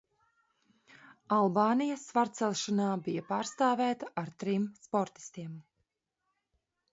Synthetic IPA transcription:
alˠbaːnijɐsvaɾt̪sɛlˠʃanaːbijapaːɾst̪aːvæːt̪aʔaɾt̪ɾimspɔɾt̪i̥st̪iɛm

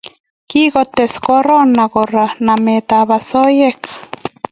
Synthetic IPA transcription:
kiɣot̪eskoɾonaɣoranamet̪aβasojek

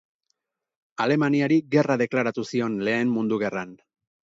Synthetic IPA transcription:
ale̞maniaɾiɡe̞raðe̞klaɾat̪usio̞nle̞ːmmund̪uɣ̞e̞ran

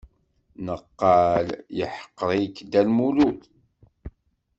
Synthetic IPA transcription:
nəqːɑljəħə̥qːɾˤikːd̪ælmuluθ

